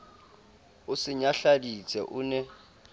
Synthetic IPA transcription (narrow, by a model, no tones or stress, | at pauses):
ʊsɪɲaɬadit͡sʼɛ̰ʔʊːnɛ